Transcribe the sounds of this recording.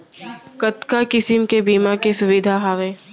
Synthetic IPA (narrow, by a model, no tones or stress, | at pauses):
kɐt̪kakɪsɪmkebiːmakesʊʋɪd̪ʱaɦaːʋẽː